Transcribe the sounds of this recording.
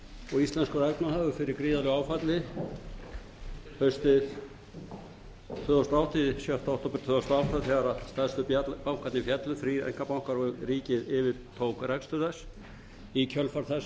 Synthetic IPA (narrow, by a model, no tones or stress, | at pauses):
ɔɣist̪lɛnskʏrɛknahaːvʏfɪɾɪɾkɾiːðalɪɣaːwfat̪lɪ | hœst̪ɪð | t̪ʰʏːðast̪aawht̪isjœht̪awht̪ɔpʏɾ̥t̪ʰvʏːðast̪awht̪aθɛɣaɾast̪ɛðst̪ʏpapawŋ̥kat̪nɪfjɛt̪lʏfɾiɛ̰jŋ̥kapawŋ̥kaɾɔriːcɪðɪvɪɾ̥t̪ʰoːwkrɛkst̪ʏɾðɛs | icʰœlfaɾ̥θɛs